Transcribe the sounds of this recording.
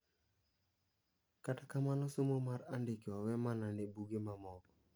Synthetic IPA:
katakamanɔsomomaɾandɪkewawɛmanandebuɡemamɔk

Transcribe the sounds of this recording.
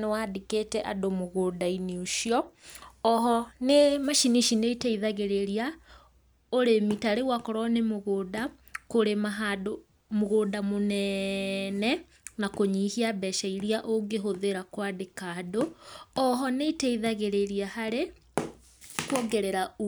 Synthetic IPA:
newadiketɛʔa̰domoɣoːdainiuʃiɔɔɦɔnemaʃiniʃineitɛiðaɣeɾeɾia | oɾemitaɾewakɔɾɔnemoɣoda | koɾemaɦado | moɣoːdamonɛ | nɛ | nakoɲiːhiabɛʃaiɾiaʔoɡeɦoðeɾakwadekadoɔɦɔneiteiðaɣeɾeɾiahaɾe | kwɔɡɛɾɛɾau

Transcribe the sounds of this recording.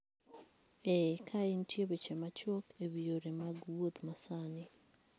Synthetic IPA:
ekʰaintjeβet͡ʃemat͡ʃokeβjoɾemaɡwoðmasani

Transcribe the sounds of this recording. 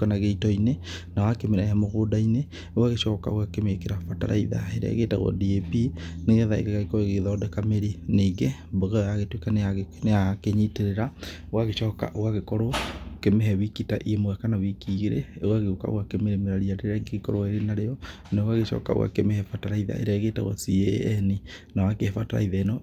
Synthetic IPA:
kanaɣeitɔine | nawakemeɾaamoɣoːdaine | owaɣeʃɔːka̰oɣakemekeɾafata̰ɾa̰iða̰eɾa̰ḛɣeta̰ɣɔ̰diepineɣɛðaḛɣɛɣaɣekɔɾoeɣeðɔːdɛkameɾineɡɛ | bɔɣɛjaɣetwekaneaneakeɲiteɾeɾa | owaɣeʃɔːka̰ʔoɣaɣekɔɾokemeɦɛwikitaʔiemoɣɛkanawikiɣeɾeɣwaɣeoka̰o̰ɣwakemeɾemeɾaɾiadeeɾaɡeɣekɔɾoaeɾenaɾejɔ | neowaɣeʃɔ̰ːka̰o̰wa̰kemehɛfataɾaiða̰ʔḛɾɛɣeta̰ɣwa̰siɛninawakeɛfataɾa̰iðaenɔ

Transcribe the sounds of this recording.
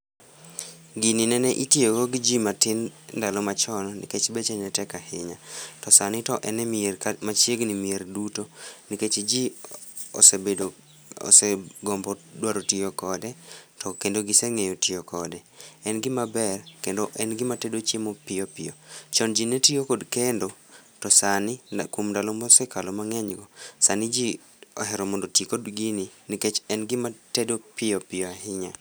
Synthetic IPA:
ɡɪnɪnɛnɛʔitjoɡoɡɪd͡ʒimatɪndalɔmat͡ʃɔnɔnɪ̰ket͡ʃbet͡ʃɛnɛtɛkahɪɲatɔsanɪtɔʔɛnɛmat͡ʃjeɡnɪmierdutoniket͡ʃd͡ʒi | o̰sebedo | o̰sɛɡɔmbɔdwaɾotiokɔdɛtɔkendoɡɪsɛŋejotɪokɔdɛɛnɡɪmabɛrkendoʔɛnɡɪmatedot͡ʃjemopɪjɔpɪjɔt͡ʃɔnd͡ʒinɛtiokodkendotɔsanɪkwomndalomɔsɛkalomaŋɛɲɡɔsanid͡ʒi | ɔ̰ɦɛɾɔmɔndotiikodɡininiket͡ʃɛnɡɪmatedopɪjɔpɪjɔahɪɲa

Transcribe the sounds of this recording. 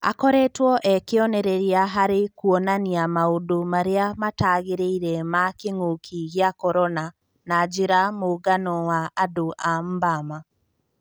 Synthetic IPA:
a̰kɔɾɛtwɔʔɛkeɔnɛɾɛɾiaɦaɾekuɔnaniamaodomaɾeamataːɣeɾeiɾɛmakeŋokʰiɣiakɔɾɔna | nad͡ʒeɾamoɣanɔwaːdoʔam̩bama

